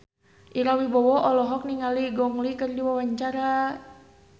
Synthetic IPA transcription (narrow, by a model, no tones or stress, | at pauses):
ʔiɾawibɔwɔɔlɔɦɔk̚niŋaliɡɔŋlikərdiwawaɲt͡ʃaɾa